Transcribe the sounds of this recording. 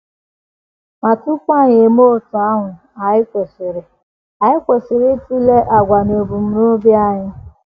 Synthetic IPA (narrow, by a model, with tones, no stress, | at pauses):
ma˨tu˦kʷa˦˨ɲ˨e˨mo˦˨tʊ˨a˦ɦʊ˨ | a˨ɪ˦kʷe˨sɪ˨ɾɪ˨ | a˨ɪ˦kʷe˨sɪ˨ɾɪ˦ti˦le˦ʔa˨ɡʷa˨no˨bu˨m̩˦no˦bja˦ɲɪ˦